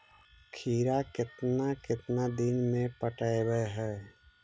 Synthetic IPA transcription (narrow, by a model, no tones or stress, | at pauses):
kʰiːɾakɪt̪nakɪt̪nad̪ɪnmẽpəʈəebəɦɛː